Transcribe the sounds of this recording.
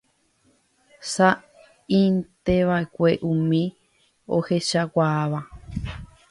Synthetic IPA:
sa | ĩnt̪eʋaekʷeʔũmĩ | o̰heʃakʷaːβa

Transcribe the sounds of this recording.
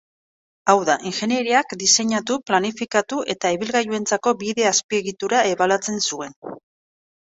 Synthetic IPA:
awðaʔiŋxe̞nje̞ɾiakd̪ise̞ɲat̪uplanifikat̪uʔe̞t̪aeβilɣajue̞nt͡sako̞biðe̞aspie̞ɣit̪uɾae̞βalat͡se̞nsue̞n

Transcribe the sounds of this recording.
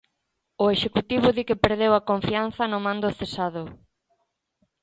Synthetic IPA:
ʊeʃekut̪iβ̞ʊðikɪpeɾðewɐkoɱfian̟θɐnʊmãnd̪ʊθesaðʊ

